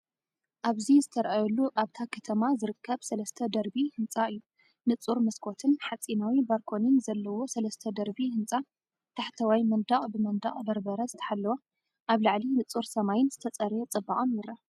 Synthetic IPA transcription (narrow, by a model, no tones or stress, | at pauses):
ʔaβzizɨt̪ʰɐɾʔajɛlːuʔaβt̪ʰakʰɐt̪ʰɐmazɨɾɨkʰːɐβsɐlɐst̪ʰɐd̪ɐɾbihɨnt͡sʼaɨjːu | nɨt͡sʼuɾmɐskʰo̞t̪ʰɨnħat͡sʼinawibaɾkʰo̞nɨnzɐlːɐwo̞sɐlɐst̪ʰɐd̪ɐɾbihɨnt͡sʼa | t̪ʰaħt̪ʰɐwajmɐnd̪aχʼbɨmɐnd̪a̰χʼd̪ɐɾbɐɾɐzɨt̪ʰɐ̥ħalːɐwa | ʔaβlaʕlinɨt͡sʼuɾsɐmajɪnzɨt̪ʰɐt͡sʼɐɾjet͡sʼɨbːaʔʼonjɪɾa